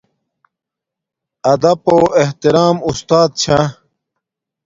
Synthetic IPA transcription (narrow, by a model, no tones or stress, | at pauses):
ɐd̪ɐpoːeht̪iɾaːmust̪aːd̪̚t͡ɕʰã